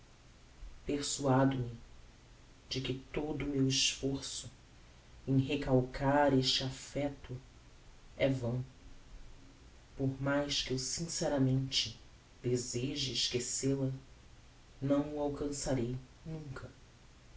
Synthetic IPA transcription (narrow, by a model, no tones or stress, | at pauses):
peχsuad̪ʊmɪ | d͡ʒɪkɪt̪od̪ʊmewɪʃfoɾsʊ | ẽj̃ɦekawkʰaɾeʃt͡ʃɪafɛt̪ʊ | ɛvɐ̃w̃ | poɾmajskɪewsĩsɛɾɐmẽnt͡ʃɪ | d̪ezeʒɪɪʃkeselɐ | nɐ̃w̃ʊawkɐ̃saɾej | nũŋkʰɐ